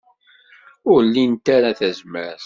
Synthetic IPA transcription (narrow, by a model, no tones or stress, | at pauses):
ʊɾlːint̪aɾaθæzməɾθ